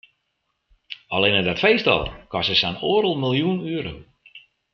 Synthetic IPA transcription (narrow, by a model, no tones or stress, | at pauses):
alenədɔtfejstɔ̰lˠkʰɔsəsanoːɾəlˠmilˠjunyəɾo̰w